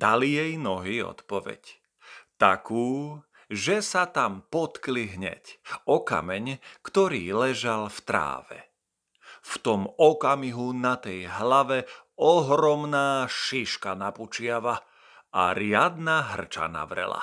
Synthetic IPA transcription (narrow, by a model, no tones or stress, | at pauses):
d̪̥alijɛjnɔɦiɔ̰t̪pɔʋɛ̰c | t̪a̰kuː | ʒɛsat̪ampɔt̪kliɦɲɛ̰cɔka̰mɛɲkt̪ɔɾiːlɛʒalft̪ɾa̰ːʋɛ̰ | ft̪ɔmɔkamiɦunat̪ɛjɦlaʋɛ | ɔɦɾɔmnaːʃiʃkanaput͡ʃɪaʋa | ʔa̰ɾɪad̪naɦr̩t͡ʃa̰na̰ʋɾɛ̰la̰